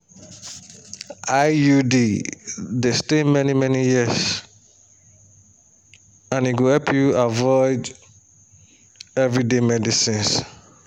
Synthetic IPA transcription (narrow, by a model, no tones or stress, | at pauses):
ajudi | destẽmɛnimɛnijis | ãniɡohɛpʰjuavɔɪd | ɛvɹidemɛdisĩns